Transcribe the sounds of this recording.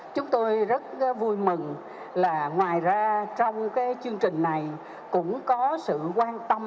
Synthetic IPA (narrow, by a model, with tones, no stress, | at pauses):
t͡ɕʊ˨˦ŋ͡mt̪o˧jzə˦˥t̚vu˧jmɨ˨˩ŋ | laː˨˩ŋwaː˨˩jzaː˧t͡ɕɔ˧wŋ͡mkaː˨˦jt͡ɕɨ˧əŋt͡ɕï˨˩ŋ̟na˨˩j | kʊ̰˧˥ŋ͡mkɔ˨˦sɨ̰˧˨kwaː˧nt̪ə˧m